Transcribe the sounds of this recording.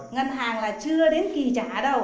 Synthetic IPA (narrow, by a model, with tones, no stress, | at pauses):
ŋə˧nɦaː˨˩ŋlaː˨˩t͡ɕɨ˧əɗe˨˦nki˨˩t͡ɕaː˧˩ɗə˧w